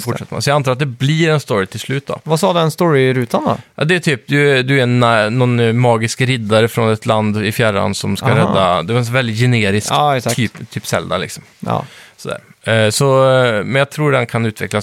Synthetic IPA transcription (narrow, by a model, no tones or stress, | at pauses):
fʊʂɛt̪ːəmɛ̰sɔjɑɡant̪ɑːɾat̪̚d̪ɛbliːɾɛnst̪ɔɾɪt̪ʰɪlslʉ̟ːt̪̚d̪ɔ̰vasɑːd̪ɛnst̪ɔɾɪɾʉːt̪and̪ɔ̰ʔɑ̰d̪ɛæʈ̪ʰyːp̚d̪ɵd̪ɵæɾɛnnɔnmɑːɡɪskɾɪd̪aɾəfɾɔnɛt̪ʰland̪ɪfjæɾa̰nsɔmskaɾɛd̪ːad̪ɛvaɾɛnvɛld̪ɪt̪jɛneːɾɪskːsʰyːpt̪ʰyːpsɛ̰ld̪a̰lɪ̰ksɔm̰ːsɔd̪æ̰ːɾsɔmɛnjɑt̪ʰɾuːɖɛnkʰanʉ̟ːt̪vɛ̰klas